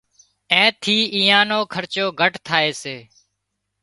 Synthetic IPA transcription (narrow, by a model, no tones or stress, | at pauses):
ẽːt̪ʰiːʔiːãːnoːkʰəɾt͡ʃoːɡʱəʈt̪ʰaːeːseː